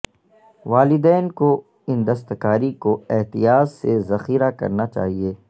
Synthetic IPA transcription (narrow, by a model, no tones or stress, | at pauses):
ʋaːlɪd̪ɛːnko | ɪnd̪ɐst̪kaːɾikoɛɦt̪ijaːzsezɐxiːɾakɐ̰ɾnat͡ʃa̰ːɦieː